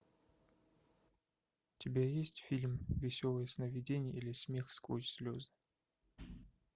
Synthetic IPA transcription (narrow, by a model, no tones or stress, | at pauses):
tʲɪbʲajesʲtʲfʲilʲmvʲɪsʲolˠəjəsnəvʲɪdʲenʲɪjəilʲɪsʲmʲexskut͡ɕsʲlʲozɨ